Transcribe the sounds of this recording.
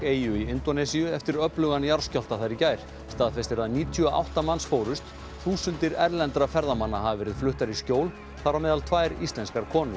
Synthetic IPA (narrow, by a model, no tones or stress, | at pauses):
eːjʏiɪnt̪ɔnɛsiʏɛft̪ɪɾœplʏɣanjaɾ̥scɔl̥t̪aθajɾicaːjɾ̥ | st̪aːðfɛst̪ɪɾaðniːt̪ʰʏaʔa̰wht̪amansfoːwɾʏst̪ | θuːsʏnt̪ɪɾɛɾlɛnt̪ɾafɛɾðamanːaɦavɪvɛːɾɪðflʏht̪aɾiscoːwl | θaɾamɛːðalt̪ʰvaːjɾist̪lɛnskaɾkʰɔːnʏ